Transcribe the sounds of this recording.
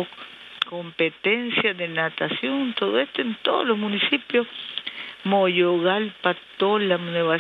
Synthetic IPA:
o | kompet̪ensjaðenat̪asjont̪oðoest̪oent̪o̰ðo̰lohmunisipjo | mojoɣalpat̪olamneβa

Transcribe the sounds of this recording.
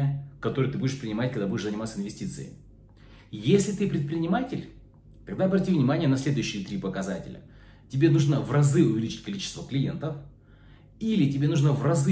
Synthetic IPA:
əkɐt̪o̞ɾɨjət̪ɨbudʲɪʂpɾʲɪnʲɪmatʲkɐɡ̪d̪abudʲɪʂzənʲɪmat̪səɪnvʲɪsʲtʲit̪sɨ̰ɪ̰j | jesʲlʲɪt̪ɨpɾʲɪt̪pɾʲɪnʲɪmatʲɪlʲ | t̪ɐɡd̪aɐbrɐtʲivnʲɪmanʲɪjənɐsʲlʲed̪ʊjʉɕːɪt̪ɾʲipəkɐzatʲɪ̰lʲə̰ | tʲɪbʲe̞nuʐnəvrɐzɨʊvʲɪlʲit͡ɕɪ̥tʲkɐlʲit͡ɕɪ̥st̪vəklʲɪjḛnt̪əf | ilʲɪtʲɪbʲe̞nuʐnəvrɐzɨ

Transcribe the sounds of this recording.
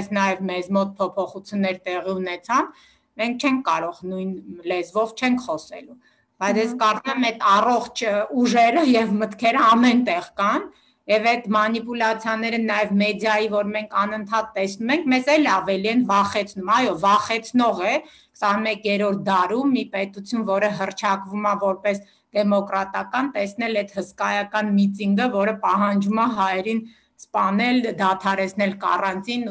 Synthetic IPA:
snɑjɛvmɛzmɔt̪̚pʰɔpʰɔχut͡sʰjunːɛɾt̪ɛʁiunɛt͡sʰɑn | mɛŋk̚ʰt͡ʃʰɛŋkʰkɑɾɔʁnujnlɛzvɔvt͡ʃʰɛŋkʰχɔsɛ̰lu | b̥ɑjt͡sʰjɛskɑɾt͡sumɛmɛt̪ʰɑrɔχt͡ʃʰuʒɛɾəjɛvmət̪kʰɛɾəɑmɛnt̪ɛʁkɑn | jɛvɛt̪mɑnipulɑt͡sʰjɑnɛɾənɑjɛvmɛd̪jɑjivɔɾmɛŋkʰɑnənt̪ʰɑt̪ːɛsnumɛŋkʰmɛzɛlɑvɛliɛnvɑχɛt͡sʰnumɑjɔvɑχɛt͡sʰnɔʁɛ | kʰsɑnmɛkjɛɾɔɾt̪̚ʰd̪ɑɾumːipɛt̪ut͡sʰjunvɔɾəɦərt͡ʃʰɑkvumɑvɔɾpɛs | d̪̥ɛmɔkɾɑt̪ɑkɑnt̪ɛsn̪ɛlɛd̪həskɑjɑkɑnmit̪iŋɡəvɔɾəpɑɦɑnd͡ʒumɑɦɑjɛɾin | spɑnɛld̪ɑt̪ʰɑɾɛt͡sʰn̪ɛlkɑ̰rɑnt͡s̪ʰin

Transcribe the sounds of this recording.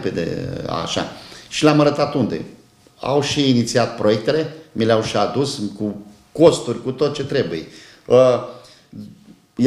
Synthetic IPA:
ped̪ḛa̰ʃa̰ʃilamaɾət̪at̪und̪e̞̰ | a̰wʃiːnit̪siat̪̚pɾo̞je̞k̚t̪e̞le̞mileawʃiad̪usku | ko̞st̪urʲkut̪ot̪t͡ʃe̞t̪ɾe̞buje | ə | j

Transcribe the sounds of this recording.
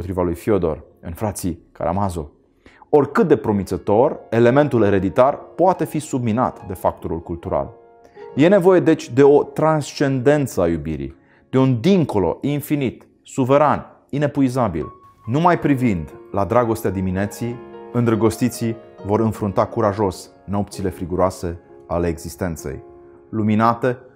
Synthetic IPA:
pot̪ɾivalujfio̞d̪o̞̰r | ɨnfɾat̪sika̰ɾa̰mazo̞̰ | o̞rkɨt̪̚d̪e̞pɾo̞mit̪sət̪o̞re̞le̞me̞nt̪ule̞ɾe̞d̪it̪arpoat̪e̞fisubmina̰t̪d̪e̞fak̚t̪o̞ɾṵlkult̪uɾa̰l | je̞ne̞vo̞je̞d̪e̞t͡ʃʲd̪e̞o̞t̪ɾanst͡ʃe̞nd̪e̞nt̪səajubḭɾḭj | d̪̥e̞und̪iŋko̞lo̞̰ʔinfinit̪ | suve̞ɾan | ine̞puizabḭl | numajpɾivind̪lad̪ɾaɡo̞st̪ead̪iminet̪sijɨnd̪ɾəɡo̞st̪it̪sijvo̞ɾɨnfɾunt̪akuɾaʒo̞s | no̞p̚t̪sile̞fɾiɡuɾoase̞ | ale̞ːɡzist̪e̞nt̪se̞̰j | luminat̪e̞

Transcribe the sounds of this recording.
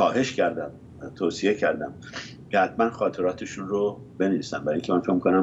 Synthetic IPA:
xɒːɦe̞ʃcʰæɾd̪æm | t̪ʰoːsije̞cʰæɾd̪æm | cehæt̪̚mænxɒːt̪ʰe̞ɾɒːt̪ʰeʃunro | be̞neviːsæ̰nbæɾiŋcʰemænfe̞cmikonæm

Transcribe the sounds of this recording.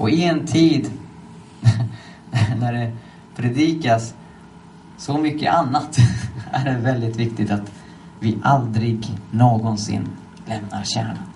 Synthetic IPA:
ɔɪɛnt̪ʰiːd̪ | næɖɛ | pʰɾɛd̪iːkas | sɔmʏkːə̰ʔanːat̪æ̰ɖɛvɛld̪ɪt̪vɪkt̪ɪt̪at̪ | vɪʔald̪ɾɪɡnoːɡɔnsɪ̰nː | lɛmna̰ɾɕæ̰ːɳan

